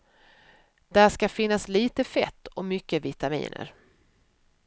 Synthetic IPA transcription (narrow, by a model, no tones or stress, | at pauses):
d̪̥æʂkafɪnːasliːt̪əfɛt̪ːɔmʏkːəvɪt̪amḭːnə̰ɾ